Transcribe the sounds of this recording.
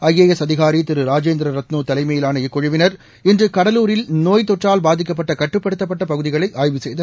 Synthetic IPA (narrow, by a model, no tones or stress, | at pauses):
ɐjːeːjɛsɐðɪɣaːɾit̪ɪɾɯɾaːd͡ʒeːnd̪ɾɐɾɐt̪nuːt̪ɐlɐɪmɐjɪlaːnɐɪkːɔɻɪʋɪnɐɾ | ɪndrɯkɐɽɐluːɾɪlnoːjt̪ɔʈraːlbaːðɪk̬ːɐp̬ːɐʈːɐkɐʈrɯpːɐɽɯt̪ːɐp̬ːɐʈːɐpɐɣɯðɪɣɐɭɐɪʔaːjʋɯsɛjðɐ